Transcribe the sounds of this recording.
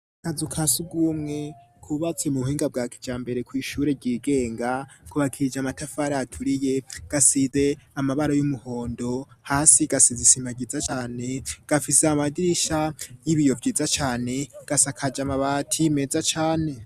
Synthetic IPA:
kazukʰasuɡuːmŋe̞ | kʰuβat͡sijemuβuhiːŋɡab̚ɡaːkʰi̥d͡ʒaːmbe̞ɾe̞kwiːʃuːɾe̞ɟiːɡe̞ːŋɡakʰuβakʰiɾd͡ʒamatafaɾaatʰuɾije̞ɡ̥asize̞amaβaɾojumuho̞ːndo̞haːsiɡasizisimaɡiːzat͡ʃaːne̞ɡ̥afiseamadiɾiʃajiβijo̞vɟiːzat͡ʃaːne̞ɡ̥asakʰad͡ʒamaβatʰime̞zat͡ʃaːne̞

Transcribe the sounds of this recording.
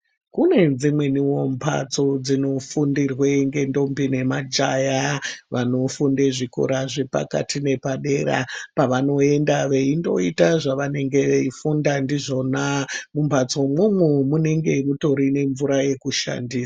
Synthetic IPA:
kune̞d͡zimwe̞niwo̞mbʰa̰t͡so̞d͡zino̞fundirweŋɡe̞ndo̞mbine̞mad͡ʒajaʋano̞fundeʐiko̰ɾaʐe̞pa̰ka̰tine̞paɗe̞ɾa̰paʋano̞e̞ndaʋe̞indo̞itaʐaʋane̞ŋɡe̞ʋeifundandiʐo̞namumpat͡so̞mumwumune̞ŋɡe̞muto̞ɾine̞ɱvuɾaje̞kuʃa̰ndiːsḁ

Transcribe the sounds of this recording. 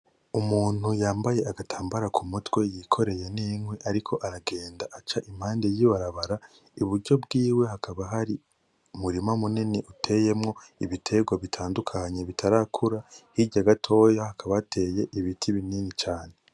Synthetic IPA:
umuːn̥hujaːmbaje̞ʔaɡatʰaːmbaɾakʰumutwe̞jikʰo̞ɾe̞jeniːŋweʔaɾikʰo̞ʔaɾaɡe̞ːndaʔat͡ʃaʔim̥haːndejiβaɾaβaɾa | uβuɾɟo̞bɡiːwe̞hakʰaβaɦaɾi | muɾimamuniniʔutʰe̞je̞mŋo̞ | iβitʰe̞ɡwaβitʰaːndukʰaɲe̞βitʰaɾakʰuɾahiɟaɡatʰo̞ːjahakaβaːtʰe̞ːje̞ʔiβitʰiβininit͡ʃaːne̞

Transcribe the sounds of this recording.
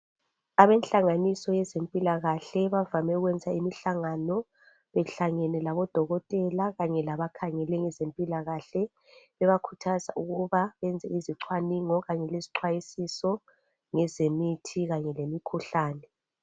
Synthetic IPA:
aβɛnɬaŋanisɔjɛzempʼilaɣaɬɛβavamɛuɣwɛnd͡zʱaimiɬaŋanɔ | βɛɬaŋɛnɛlaβɔd̥ʱɔɣɔtʼɛlaɣaɲɛlaβakʰaŋɛlɛŋɛzempʼilaɣaɬɛ | βɛβakʰu̥tʰaza̰ʔuɣuβaβɛnd͡zʱɛ̰iziǀʰwaniŋɔɣaɲɛleziǀʰwajisisɔ | ŋɛzemitʰiɣaɲɛlemikʰuɬaːnɛ

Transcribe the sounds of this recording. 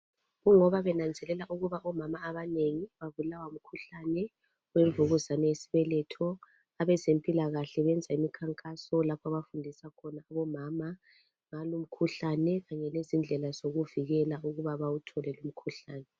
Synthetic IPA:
ɣuŋɔβaβɛnand͡zʱɛlɛlaʔuɣuβaʔɔmamaːβaneŋiβaβulawaum̩kʰuɬanɛ | weɱvuɣuzanɛjesi̥βɛlɛtʰɔ | aβɛzempʼilaɣaɬɛβɛnd͡zʱaimikʰaŋkʼasɔlapʰɔaβafundʱisakʰɔnaːβɔmaːma | ŋalum̩kʰuɬanɛɣaɲɛlezind͡ɮʱɛlazoɣuviɣɛlauɣuβaβawutʰɔlɛlum̩kʰuɬaːnɛ

